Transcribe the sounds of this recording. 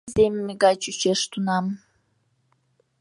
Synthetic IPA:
zemmːeɡɑt͡ɕyt͡ɕeʃt̪unɑm

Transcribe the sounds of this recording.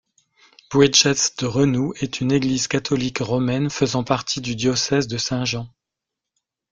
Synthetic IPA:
b̥wɛʒɛsd̪̥əʁənuɛt̪ʰyneɡlizkat̪ʰɔlikʁɔmɛnfəzɑ̃paʁt̪ʰid̪yd̪jɔsɛzd̪əsɛ̃ʒɑ̃

